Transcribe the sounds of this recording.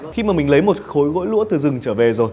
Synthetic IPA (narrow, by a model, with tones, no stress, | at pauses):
xi˧maː˨˩mï˨˩ŋ̟lə˨˦jmo˨˩t̚xo˨˦jɣo̰˧˥jlṵ˧˥t̪ɨ˨˩zɨ˨˩ŋt͡ɕəː˧˩ve˨˩zo˨˩j